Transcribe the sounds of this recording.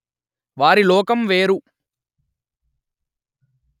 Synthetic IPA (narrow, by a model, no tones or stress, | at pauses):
ʋaːɾilɔːkɐmʋeːɾu